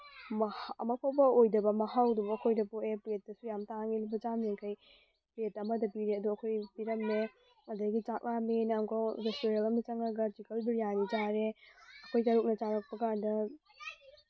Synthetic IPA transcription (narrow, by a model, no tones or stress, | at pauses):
mhɐ̰mɐpʰawbɐojdɐbɐmɐhawdubɐkʰojdɐpoepɾet̚ːɐsujamtaŋilibɐd͡ʒamiŋkʰaj | pɾetɐmɐdɐpiɾeɐduɐkʰojpiɾɐmne | ŋɐdɐɡit͡ʃak̚naminɐmkʰoɾesteɾelɐmdɐt͡ʃɐŋɐɡɐd͡ʒikɐlbiɾijanid͡ʒaɾeɐkʰojtɐɾuk̚nɐt͡ʃaɾɐk̚pɐkandɐ